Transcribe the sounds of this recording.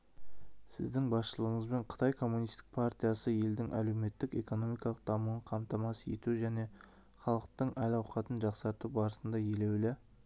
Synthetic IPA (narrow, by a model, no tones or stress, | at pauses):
sɪ̰zd̪ɪŋbɑsʃəlˠəəɴəzbe̞ɴqʰə̥t̪ɑjkʰo̞mːunijst̪ɪ̥k̚pʰaɾt̪ʲijɑsəje̞ld̪ɪŋʔæ̰le̞wme̞t̪ːɪke̞̰ko̞no̞mijkɑlˠəq̚d̪̥ɑmuəɴqʰɑmt̪ɑmɑsje̞̰t̪uʒæne̞ | χɑlˠəq̚t̪əɴʔælɑwqɑt̪ənʒɑqsɑɾt̪ubɑɾəsənd̪ɑje̞le̞wlɪ